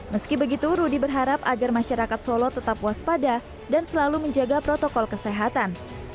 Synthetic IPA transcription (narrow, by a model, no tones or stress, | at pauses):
məskibəɡit̪uɾudibərɦaɾapaɡarmaʃaɾakat̪solɔt̪ət̪apwaspada | dansəlaluməɲd͡ʒaɡapɾɔt̪ɔkɔlkəseɦat̪an